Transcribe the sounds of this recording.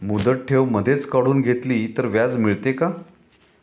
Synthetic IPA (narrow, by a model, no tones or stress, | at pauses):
mud̪əʈ̚ʈʰeʋməd̪ʱet͡skəɽuːnɡʱet̪liːt̪əɾʋjad͡zmiɭt̪eka